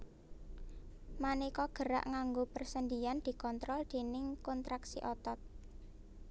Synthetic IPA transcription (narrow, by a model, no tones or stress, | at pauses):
manikɔɡ̥ə̤ɾa̰ʔŋaŋɡopərsənd̪iand̪̥i̤kɔnt̪ɾɔld̪̥e̤nɪŋkɔnt̪ɾaksḭʔɔt̪ɔt̪̚